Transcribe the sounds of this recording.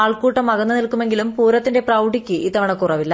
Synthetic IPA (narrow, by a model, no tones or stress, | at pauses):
aːɭkuːʈːɐmːɐɣɐnːɨnilkːume̞ŋɡilumpuːɾɐt̪ːinde̞prɐwɖikʲːɨiːt̪ːɐʋɐɳɐkːurɐʋilːɐ